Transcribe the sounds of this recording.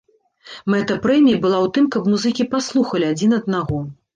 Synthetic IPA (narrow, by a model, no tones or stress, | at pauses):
mɛt̪ɐpɾɛmʲijɐbɨlˠawt̪ɨmkɐpmuzɨkʲipaslˠuxɐlʲiad͡zʲin̪ɐd̪̚naɣɔ